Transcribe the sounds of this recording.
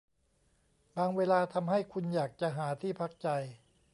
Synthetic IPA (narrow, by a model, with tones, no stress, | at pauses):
baː˧ŋweː˧laː˧t̪ʰa˧mɦa˥˩jkʰu˧njaː˨˩k̚t͡ɕa˨˩ɦaː˩˦t̪ʰiː˥˩pʰa˦˥k̚t͡ɕa˧j